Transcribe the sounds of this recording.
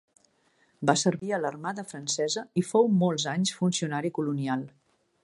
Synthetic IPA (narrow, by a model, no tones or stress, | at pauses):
basəɾβiələrmaðəfɾənsɛzəifowmɔlˠzaɲsfunsiunaɾikulunialˠ